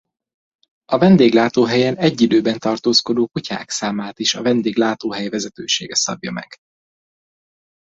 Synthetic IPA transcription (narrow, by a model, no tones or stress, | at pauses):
ɒvɛnd̪eːɡlaːt̪oːɦɛjɛnɛɟːid̪øːbɛnt̪ɒrt̪oːsko̞d̪oːkucʰa̰ːksaːmaːt̪iʃɒvɛnd̪eːɡlaːt̪oːɦɛjvɛzɛt̪øːʃḛːɡɛsɒbjɒmɛ̰ɡ̥